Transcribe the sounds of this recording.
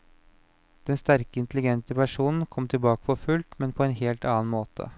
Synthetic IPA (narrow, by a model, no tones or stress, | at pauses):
d̪̥ɛnst̪æɾkəɪnt̪lɪɡɛnt̪əpæʂuːnn̩kʰɔmt̪ʰɪlbɑːkə̥fʰɔfʉlt̪mɛnpʰɔɛːnheːlt̪ɑːnmoːt̪ʰə̰